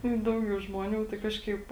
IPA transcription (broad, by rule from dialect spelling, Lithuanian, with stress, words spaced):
ɪ ˈdɐʊɡʲɛʊ ʒmoːˈnʲuː tɐɪ ˈkɑːʃkɐɪp